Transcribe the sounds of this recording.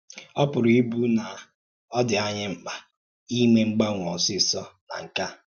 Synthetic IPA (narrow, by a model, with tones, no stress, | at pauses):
ɔ˦pʊ˨ɾi˦bu˦na˨ | ɔ˦dɪ˨a˦ɲɪ˦ŋ͡m̩˨k͡pa˨ | i˦me˦ŋ͡m̩˦ɡ͡ba˦ŋʷɔ˨sɪ˦˨sɔ˦na̰˨ŋ̩˨ka˦